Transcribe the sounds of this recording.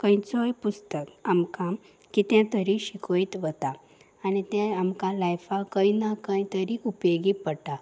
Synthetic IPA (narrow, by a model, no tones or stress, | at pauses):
kə̃jt͡sɔjpust̪əkamkãm | kit̪jãt̪əɾĩɕikʰojit̪ʋət̪aː | nit̪ɛ̃amkãlajfakəjnakə̃jt̪əɾiupeɡipəʈa